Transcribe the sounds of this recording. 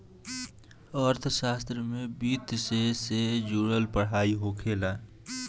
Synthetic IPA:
əɾt̪ʰʃaːst̪ɾəmẽbiːt̪sesed͡ʒuːɽəlpəɽ̤ɦaːiɦokʰeːla

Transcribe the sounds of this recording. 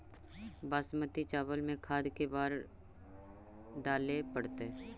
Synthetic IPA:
baːsmət̪it͡ʃaːʋəlmẽkʰaːd̪kebaːɾ | ɖaːlepəɽt̪e

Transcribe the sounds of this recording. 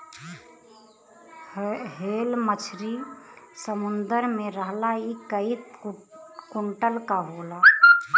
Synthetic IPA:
ɦeːlmət͡ʃʰɾisəmʊnd̪əɾmẽɾəɦlaikəit̪ | kʊɳʈəlkaɦoːla

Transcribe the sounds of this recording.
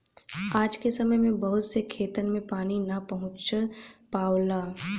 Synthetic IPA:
aːd͡ʒkesɐməjmẽbɐɦʊt̪sekʰeːt̪ənmẽpaːninɐpɐɦʊ̃t͡ʃpaːwlaː

